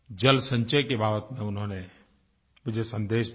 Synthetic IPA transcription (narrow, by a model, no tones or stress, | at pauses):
d͡ʒɐlsə̃ɲt͡ʃəkebʱaːʋət̪mẽʊnɦõːne | bɪd͡ʒʱesə̃nd̪eːʃ